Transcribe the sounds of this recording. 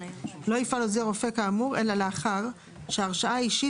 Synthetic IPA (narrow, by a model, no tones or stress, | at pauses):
lo̞ifalozeʁofekaːmuʁe̞laleaχaʁ | ʃeaʁʃaaaiʃi